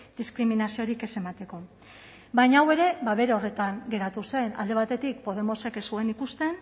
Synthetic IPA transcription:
d̪iskɾiminasio̞ɾike̞se̞mat̪e̞ko̞ | bajɲawe̞ɾe̞βaβe̞ɾeo̞re̞t̪aŋɡe̞ɾat̪use̞na̰ld̪e̞β̞at̪e̞t̪ikpo̞ð̞e̞mo̞sekesue̞nikust̪e̞n

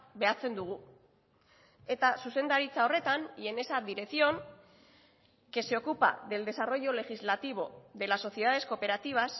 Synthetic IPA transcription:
be̞at͡se̞nd̪uɣ̞u | e̞t̪asuse̞nd̪aɾit͡sao̞re̞t̪anʎe̞ne̞sad̪iɾe̞sio̞n | ke̞seo̞kupa̰ðe̞ld̪e̞saro̞jo̞le̞xizlat̪iβ̞o̞ðe̞laso̞θjeaðe̞sko̞pe̞ɾat̪iβ̞as

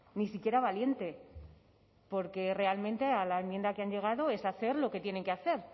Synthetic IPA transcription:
nisikje̞ɾaβalje̞nt̪e̞ | po̞ɾke̞re̞almẽnt̪e̞alaemje̞nd̪akeaɲʎe̞ɣ̞aðo̞e̞saθe̞ɾlo̞ke̞t̪jene̞ŋkeaθe̞ɾ

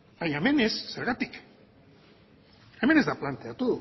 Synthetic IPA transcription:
ajemenesːeɾɣat̪ik | emenezd̪aplant̪eat̪u

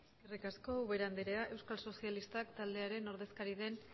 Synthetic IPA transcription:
irikasko̞uβeɾand̪eɾeaʔe̞wskalso̞sialist̪akt̪ald̪e̞aɾe̞no̞ɾðe̞skaɾið̞e̞n

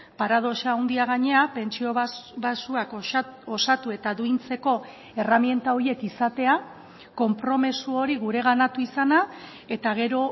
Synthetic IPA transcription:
paɾað̞o̞ʃaːwnd̪iaɣ̞aɲe̞ape̞nt͡ʃio̞ββasuakosat̪ue̞t̪aðuint͡se̞ko̞ | e̞ramje̞nt̪ao̞je̞kisat̪e̞a | ko̞mpɾo̞mesuo̞ɾiɣ̞uɾe̞ɣanat̪uisana | e̞t̪aɣe̞ɾo̞

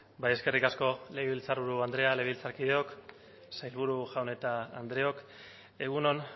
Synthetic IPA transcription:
bajeske̞rikasko̞le̞ɣiβilt͡saɾβuɾuand̪ɾe̞aleilt͡saɾkið̞e̞o̞k | sajlβuɾuʝawne̞t̪a̰ːnd̪ɾe̞o̞k | e̞ɣuno̞n

